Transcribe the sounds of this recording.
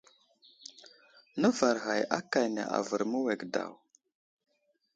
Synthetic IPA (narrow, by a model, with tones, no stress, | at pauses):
nə˦va˨ɾɣa˨ja˦ka˨jnḛ˨ʔa̰˨və˨ɾmə˦we˨ɡda̰˨w